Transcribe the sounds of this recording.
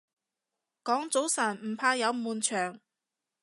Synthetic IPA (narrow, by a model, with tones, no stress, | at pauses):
kɔː˨˥ŋt͡so˨˥wsɐː˨˩nm̩˨˩pʰaː˧jɐ˨˧wmuː˨nt͡ʃʰœː˨˩ŋ